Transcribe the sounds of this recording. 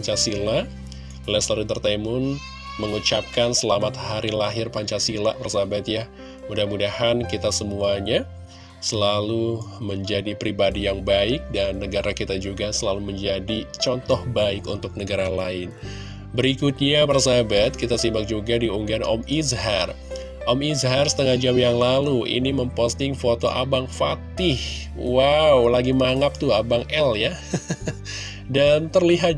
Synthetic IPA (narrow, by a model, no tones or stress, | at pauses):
aɲt͡ʃasila | lɛsəlalut̪ərt̪amʊn | məŋut͡ʃap̚kansəlamat̪haɾilaɦɪrpaɲt͡ʃasila̰paɾasabat̪jah | mudahmudahankit̪asəmuaɲa | səlaluməɲd͡ʒadipɾibadijaŋbaɪk̚danːəɡaɾakit̪ad͡ʒuɡasəlaluməɲd͡ʒadit͡ʃɔnt̪ɔhbaɪkunt̪ʊk̚nəɡaɾala̰ɪn | bəɾikut̪̚ɲabarsabat̪̚kit̪asimbak̚d͡ʒuɡadiuŋɡanɔ̰mizɦa̰r | ʔɔmizɦarsə̥t̪əŋahd͡ʒamjaŋlaluʔḭniməmpost̪ɪŋfot̪o̰ʔa̰baŋfat̪ɪh | wawlaɡimaŋap̚t̪uabaŋɛlja | dant̪ərliɦat̪̚